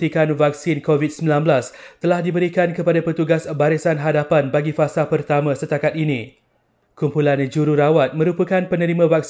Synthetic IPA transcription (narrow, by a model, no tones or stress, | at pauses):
ikanvak̚sinkovit̪̚səmbilãnbəlast̪əlahdibəɾikankəpadapərt̪uɡasbaɾisanɦadapanbaɡifasapərt̪amãsət̪akat̪̚inĩ | kumpuland͡ʒuɾuɾawat̪̚mə̃ɾupəkanpənə̃ɾimãvak̚s